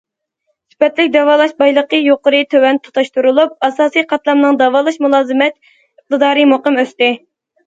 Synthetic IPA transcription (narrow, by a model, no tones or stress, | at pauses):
sy̥pɛt̪lɪkʲd̪ɑwɑːlˠɑʃbɑjlˠəqəjoqəɾɨt̪ʰøwɛnt̪ʰo̥t̪ɑʃt̪uɾulˠup̚ɑsɑːsijqʰɑt̪lˠɑmnɨŋd̪ɑwɑːlˠɑʃmulˠɑːzɨmɛt̪ | əq̚t̪ɨd̪ɑːɾɨmoqəmøst̪ɪ